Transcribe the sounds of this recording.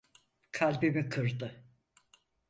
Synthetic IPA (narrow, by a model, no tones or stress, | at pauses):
kʰalʲbimikʰɯɾd̪ɯ